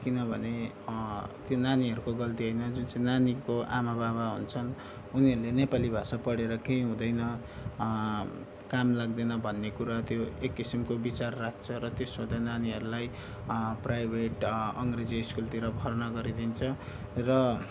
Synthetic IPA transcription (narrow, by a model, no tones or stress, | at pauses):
kinʌbʱʌne | t̪jonaniɦʌɾukoɡʌlt̪iɦʌjnʌd͡zunt͡sʌĩnanikoʔa̰mabaβaɦṵnt͡sʰʌn | uniɦʌɾulenepalibʱasapʌɽeɾʌkej̃ɦũd̪ʌjnʌ | kamlaɡ̚d̪enʌbʱʌnːekuɾat̪joekːisimkobit͡sarːak̚ʰt͡sʰʌɾʌt̪esõd̪ananiɦʌɾulaj | prajbʱeʈʌŋɡred͡ziiskult̪iɾʌbʱʌrnʌɡʌɾid̪int͡sʰʌ | rʌ